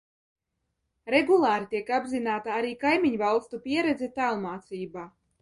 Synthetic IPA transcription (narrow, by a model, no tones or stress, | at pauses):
ɾɛɡulˠaːɾit̪iɛkabzinaːt̪aaɾiːkajmʲiɲvalˠst̪upʲiɛɾɛd̪zɛt̪alˠmaːt̪siːbaː